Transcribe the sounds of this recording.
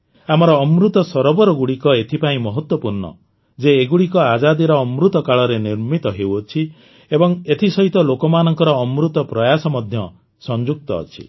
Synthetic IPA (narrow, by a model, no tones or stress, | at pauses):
amɔɾɔːmɾut̪ɔsɔɾɔbɔɾɔɡuɽikɔet̪ʰipaĩmɔɦɔt̪wɔpuɾnɔ̰ | d͡ʒeːɡuɽikɔad͡ʒad̪iɾɔːmɾut̪ɔkaɭɔɾeniɾmit̪ɔɦewɔt͡ʃʰi | ebɔŋet̪ʰisɔɦit̪ɔlokɔmanɔŋkɔɾɔːmɾut̪ɔpɾɔjasɔmɔd̪ʱjɔ | sɔnd͡ʒuk̚t̪ɔ̰ːt͡ʃʰḭ